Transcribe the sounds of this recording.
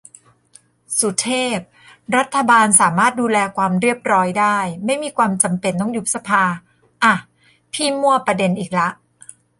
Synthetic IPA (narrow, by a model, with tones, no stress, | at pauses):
su˨˩t̪ʰeː˥˩p̚ | ɾa˦˥t̪ʰːa˧baː˧nsaː˩˦maː˥˩t̪̚duː˧lɛː˧kʰwaː˧mɾi˥˩əp̚ɾɔː˦˥jdaː˥˩jma˥˩jmiː˧kʰwaː˧mt͡ɕa˧mpe˧nːɔː˦˥ŋju˦˥p̚sa˧pʰaː˧ | ʔa˨˩ | pʰiː˥˩mːu˥˩ɐpɾa˧de˧nʔiː˨˩k̚la˦˥ʔ